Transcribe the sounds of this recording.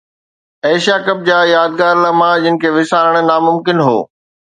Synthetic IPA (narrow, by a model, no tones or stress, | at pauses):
eːʃijakɐb̚d͡ʑaːjaːd̪̚ɡaːɾləmãd͡ʑɪnɪ̆kʰeːʋɪsaːɾəɽ̃̆naːmʊmkɪnɦo̰ː